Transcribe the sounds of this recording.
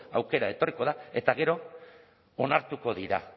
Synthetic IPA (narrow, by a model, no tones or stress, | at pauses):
awke̞ɾae̞t̪o̞riko̞ðae̞t̪aɣe̞ɾo̞ː | naɾt̪uko̞ðiɾa̰